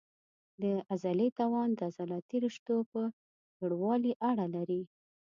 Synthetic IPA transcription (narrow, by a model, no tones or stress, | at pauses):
d̪əazalet̪ɑwɑnd̪əazalɑt̪iɾɪʂt̪opə | ɡəɽwɑliʔaɽalaɾi